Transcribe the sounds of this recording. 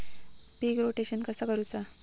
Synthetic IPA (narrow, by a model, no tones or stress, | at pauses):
piɡɾoʈeɕənkəsəkəɾut͡sa